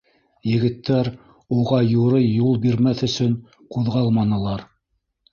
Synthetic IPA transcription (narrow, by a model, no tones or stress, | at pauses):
jɘ̆ɡɘ̆t̪ːæɾ | uʁɑjuɾɤjːulˠbiɾmæθɵ̆sɵn | quðʁɑlˠmɑnɤ̆lˠɑɾ